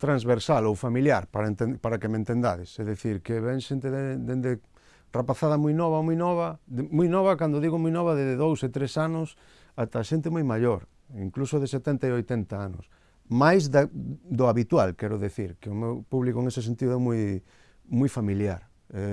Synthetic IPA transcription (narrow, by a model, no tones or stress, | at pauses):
t̪ɾanzβeɾsalowfamiljaɾpaɾnt̪epaɾakemẽnt̪end̪a̰ðɪsɛðeθiɾkeβɛŋʃent̪eðed̪end̪e | rapaθaðɐmujnɔβ̞amujnɔβɐmujnɔβ̞ɐkand̪oðiɣomujnɔβaðeðeðowset̪ɾesanʊs | at̪aʃent̪ɪmujmaʎoɾ | iŋklusoðeset̪ɛnt̪aeojt̪ɛnt̪aanʊ̰s | majzðad̪ʊaβit̪walkɛɾʊðiθiɾkeʊmewpuβlikoeŋesesent̪iðʊɛmuj | mujfamiljaɾ | ɛ